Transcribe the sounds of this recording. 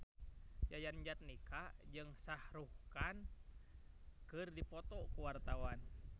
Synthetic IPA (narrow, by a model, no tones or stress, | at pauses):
jajand͡ʒat̪̚nikad͡ʒɨŋsahɾuhkan | kɨrdipɔt̪ɔkuwart̪awan